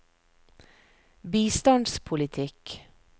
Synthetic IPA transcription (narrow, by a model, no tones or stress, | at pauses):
biːst̪ɑnd̪spʰʊlɪt̪ʰɪk